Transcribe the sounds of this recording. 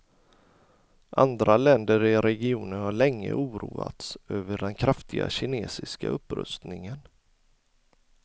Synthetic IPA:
ʔa̰nd̪ɾalɛnd̪əɾɪɾɛɡɪuːnənhaɭɛŋːə̰ʔuːɾuːat̪sʔøːvəɖɛnkʰɾaft̪ɪɡa̰ɕɪneːsɪskaɵpːɾɵ̰st̪nɪŋən

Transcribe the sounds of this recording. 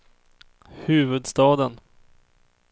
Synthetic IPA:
hʉ̟ːvɵd̪st̪ɑːd̪ən

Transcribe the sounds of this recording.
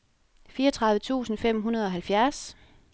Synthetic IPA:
fiːɐt͡sʰʁɑ̈ðˠʋət͡sʰṵːsn̩fem̰ɦunɐð̞ˠɒ̽ɦælfjæɐs

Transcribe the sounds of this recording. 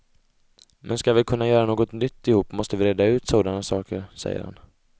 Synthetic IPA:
mʔɛnskavɪkʰɵnːajœːɾanoːɡɔt̪nʏt̪ːɪhuːpːmɔst̪əvɪɾeːd̪aʉ̟ːt̪soːd̪anasɑːkəɾsɛ̰jːə̰ɾha̰n

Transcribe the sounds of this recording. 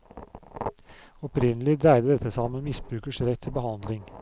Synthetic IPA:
ɔpɾɪnəlɪd̪æɪd̪əd̪ɛt̪əsɑmənmɪsbɾʉːkəʃɾɛt̪ʰːɪbəhɑnd̪lɪŋ

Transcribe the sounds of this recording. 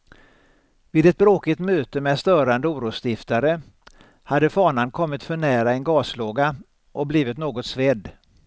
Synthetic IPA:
vɪːd̪ɛt̪̚bɾoːkɪt̪møːt̪əmɛd̪st̪œːɾand̪əuːɾuːst̪ɪft̪aɾə | had̪ːəfɑːɳankʰɔmːɪt̪fœɳæːɾaɛnɡɑːsloːɡa | ʔɔk̚bliːvɪt̪noːɡɔt̪svɛd̪

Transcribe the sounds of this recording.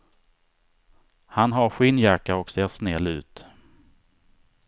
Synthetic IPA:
hanɦaɾɧɪnjakːaɾɔkseːʂnɛlːʉ̟ːt̪

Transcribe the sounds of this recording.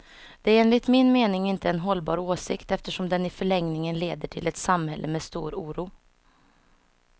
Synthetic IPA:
d̪̥ɛæɾeːnlɪt̪mɪnmeːnɪŋɪnt̪əɛnɦɔlːbɑ̰ːɾoːsɪkt̪ɛft̪əʂɔmd̪ɛnɪfœɭɛŋnɪŋənleːd̪əʈʰɪlɛt̪samhɛ̰lʔəmɛːst̪ṵːɾuːɾuː

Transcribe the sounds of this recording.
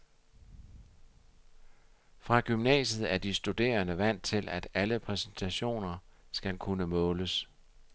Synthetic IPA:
fʁɑ̈ɡ̥ymnɛ̰ːɕəð̞̩ˠæɐd̥isd̥ud̥e̝̰ːɐnəʋæn̰d̥̚t͡sʰe̝læd̥æləpʰʁɛsən̩t͡sʰæɕo̝̰ːnɐsɡ̥ælkʰunəmɔ̽ːləs

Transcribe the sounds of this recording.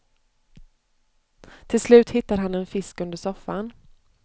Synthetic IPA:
t̪ʰɪlslʉ̟ːt̪hɪt̪ːaɾɦanɛnfɪskɵnd̪əʂɔfːan

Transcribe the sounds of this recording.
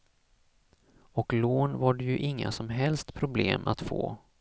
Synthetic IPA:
ɔkloːnvaɖɛjɵʔɪŋːa̰sɔmɦɛlst̪pʰɾʊbleːmʔa̰t̪fo̰ː

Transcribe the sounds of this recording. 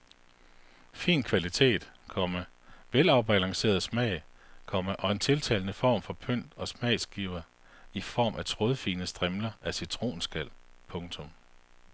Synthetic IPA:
fḭːnkʰʋælit͡sʰe̝̰ːd̥kʰɒ̽məʋelɑ̈ʊb̥ælɑ̈ŋse̝̰ːɐðˠsmɛ̰ɪ̰kʰɒ̽məʔɒ̽e̝nt͡sʰe̝lt͡sʰɛ̰ːlnəfɒ̰ːmfɒ̽pʰøn̰d̥ɒ̽smɛ̰ɪsɡ̥iʊ̰ɐ | ifɒ̰ːmʔæt͡sʰʁo̝ðˠfiːnəsd̥ʁɛmlɐæsit͡sʰʁo̝̰ːnsɡ̥æl̰pʰɔ̽ŋt͡sʰɔ̽m

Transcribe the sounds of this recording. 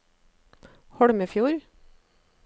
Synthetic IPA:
hɔɽməfjuːɾ

